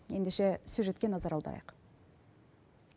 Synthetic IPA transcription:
je̞nd̪eʃe̞suʒe̞t̪kʲe̞nɑzɑɾɑlˠd̪ɑ̰ɾɑ̰jq

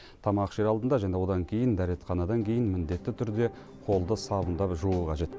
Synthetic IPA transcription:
t̪ʰɑmɑqʃe̞ɾɑlˠd̪ənd̪ɑʒænewo̞d̪ɑŋkʲʰe̞jɪnd̪æɾe̞t̪χɑnɑd̪ɑŋkʲʰe̞jɪnmɪnd̪e̞t̪ːɪt̪ʰʏɾd̪e̞ | qʰo̞lˠd̪əsɑbənd̪ɑpʒuuqʰɑʒe̞t̪

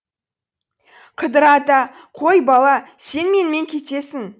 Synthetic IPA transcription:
qʰəd̪əɾɑt̪ɑ | qʰo̞jbɑlˠɑse̞nme̞nme̞ŋkʲʰe̞t̪e̞sɪŋ

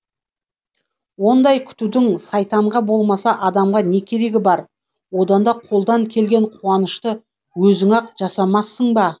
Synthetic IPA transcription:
wo̞nd̪ɑjkʲʰʏ̥t̪ud̪ɪŋsɑjt̪ɑɴʁɑbo̞lˠmɑsɑʔɑd̪ɑmʁɑne̞kʲʰe̞ɾe̞ɡʲɪbɑɾ | wo̞d̪ɑnd̪ɑqʰo̞lˠd̪ɑŋkʲʰe̞lɡʲe̞ɴqʰuɑnəʃt̪ə | wɵzɪŋɑqʒ̥ɑsɑmɑsːəɴbɑ

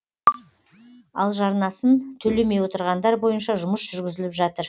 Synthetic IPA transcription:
ɑ̰lˠʒɑɾnɑsənt̪ʰɵle̞me̞jwo̞t̪əɾʁɑnd̪ɑɾbo̞jənʃɑʒʊməsʒ̥ʏɾɡʲɪzɪlɪpʒɑt̪əɾ

